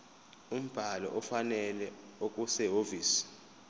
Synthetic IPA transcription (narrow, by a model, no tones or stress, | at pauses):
um̩b̥ʱalɔ̰ʔɔfanɛlɛok̬ʼusɛɦoviːsi̥